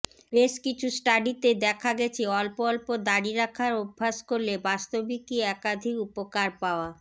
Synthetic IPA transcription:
beʃkit͡ɕʰusʈaɖit̪ed̪ɛkʰaɡɛt͡ɕʰeɔlpɔlpod̪aɽiɾakʰaɾobʱːaʃkoɾlebast̪obikiɛkad̪ʱikupokaɾpaoa

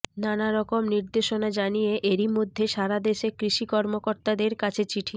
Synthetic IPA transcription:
nanaɾɔkomniɾd̪eʃonad͡ʑanijeʔeɾimod̪ʱːeʃaɾad̪eʃekɾiʃikɔɾmokoɾt̪ad̪eɾkat͡ɕʰet͡ɕiʈʰi

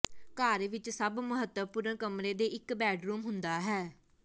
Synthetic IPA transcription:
kaːɾʋɪt͡ʃsəbməɦət̪əpʊɾəɳkəmɾeːd̪eːɪkbɛːɖɾuːmɦʊnd̪aːɦɛː

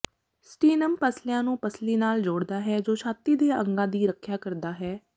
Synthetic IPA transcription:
sʈiːnəmpəslɪjãːnũːpəsliːnaːld͡ʒoːɽd̪aːɦɛːd͡ʒoːʃʰaːt̪ːiːd̪eːə̰̃ŋɡãːd̪iːɾəkʰjaːkəɾd̪aːɦɛː

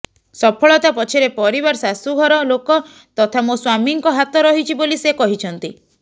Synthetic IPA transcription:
sɔpʰɔɭɔt̪apɔt͡ʃʰiɾepɔɾibaɾɔsasuɡʱɔɾɔlokɔ | t̪ɔt̪ʰamoswamiŋkɔɦat̪ɔɾɔɦit͡ʃʰibolisekɔɦit͡ʃʰɔnt̪i

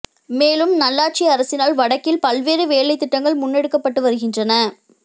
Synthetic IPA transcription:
meːlɯmnɐlːaːʈ̚t͡ʃiɐɾɐsɪnaːlʋɐɽɐkːɪlpɐlʋeːɾɯʋeːɭɐɪt̪ːɪʈːɐŋɡɐɭmʊnːɛɽɯkːɐpːɐʈːɯʋɐɾɯɣɪndrɐnɐ

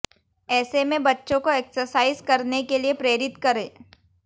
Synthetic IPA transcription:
ɛːsemẽbɐtːʃõkoeːksəɾsaːɪzkɐɾnekeliepɾeːɾɪt̪kɐɾẽː

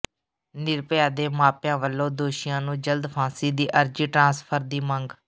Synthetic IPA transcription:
nɪɾpjaːd̪eːmaːpjãːʋəlːõːd̪oːʃɪjãːnũːd͡ʒəld̪pʰãːsiːd̪iːʔəɾd͡ʒiːʈɾãːspʰəɾd̪iːməŋɡ

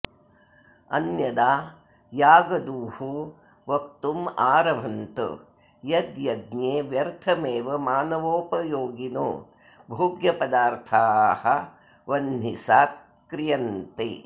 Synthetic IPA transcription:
ɐ̰njɐd̪aː | jaːɡɐd̪uːhu | ʋɐk̚t̪umaːɾɐʋʱɐnt̪ṵ | jɐd̪jɐd̪njeːʋjɐɾt̪ʰɐmeːʋɐmaːnɐʋoːpɐjoːɡino̰ː | bʱuːɡjɐpɐd̪aːɾt̪ʰaːhɐ | ʋɐnːisaːt̪̚ | kɾijɐnt̪ḛː

